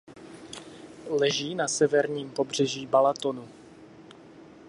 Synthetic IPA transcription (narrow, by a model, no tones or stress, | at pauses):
lɛʒiːnasɛvɛɾɲiːmpo̞br̝ɛʒiːbalat̪o̞nu